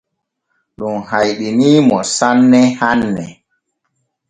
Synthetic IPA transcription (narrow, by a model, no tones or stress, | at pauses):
ɗunhajɗiniːmɔsanːɛhanːɛ